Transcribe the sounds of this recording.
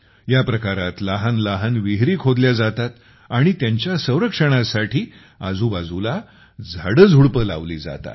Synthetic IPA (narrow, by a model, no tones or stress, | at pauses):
japɾəkaɾat̪laɦanlaɦanʋiɦɾiːkʰod̪ljad͡zat̪at̪ | aɽ̃it̪jaɲt͡ɕjasə̃w̃ɾəkʂəɽ̃asaʈʰiː | ad͡zuːbad͡zula | d͡zʱaɽəd͡zʱuɭpəla̰ʋliːd͡za̰t̪a̰t̪